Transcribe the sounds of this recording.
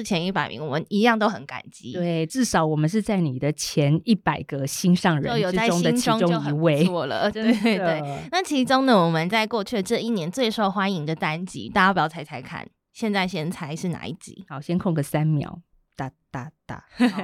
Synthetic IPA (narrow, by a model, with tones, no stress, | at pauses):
ɻ̩˥˩t͡ɕʰjɛ˧˦ni˥˩pa˨˩ɪmḭ˧˥ŋwɔ˨˩mə˦ni˧˥jɑ˥˧ŋt̪o˥ʊxə˧˦nka̰˨˩nt͡ɕḭ˧˥t̪we˥˩ɪʈ͡ʂɻ̩˥˩ʂɑ˨˥˦ʊwɔ˨˩mə˨˦nʂ̬ɻ̩˥˧t͡sa˥˩ɪni˨˩d̪ə˦t͡ɕʰjɛ˧˦ni˥˩pa˨˩ɪɡə˨˦ɕi˥nʂɑ˥˨ŋɻə˧o˥ʊjo˨˩˥a˥˩ʊ˥ŋd̪ə˨˥ŋʰʊ˥ŋʈ͡ʂʊ˥˦ŋ˨i˧˦we˥˩ɪwɔ˥˩lə̰˩˦e˥˩t̪we˥˩na˥˩t͡ɕʰi˧˥ʈ͡ʂʊ˥ŋnə˨wɔ˨˩mə˦nt͡sa˥˧ɪkwɔ˥˧t͡ɕʰy˥˩d̪ə˩ʈ͡ʂɤ˥˧i˥˩njɛ˧˥nt͡swe˥˩ɪʂo˥˩ʊxwa˥ni˧˥ŋd̪ə˨t̪a˦˥nt͡ɕḭ˧˥t̪a˥˩ja˥pjɑ˧˥ʊt͡sʰa˧˥ɪt͡sʰa˧˥ɪkʰa̰˥˩n | ɕjɛ˥˧nt͡sa˥˩ɪɕjɛ˥nt͡sʰa˧˦ɪʂɻ̩˥˩na̰˨˩˦ḭ˥˩t͡ɕḭ˧˦xɑ˨˩ʊɕjɛ˥nkʰʊ˥˨ŋɡə˨˩sa˦nmjɑ̰˨˦ʊ | t̪a˥˧t̪a˥˧t̪a̰˥˩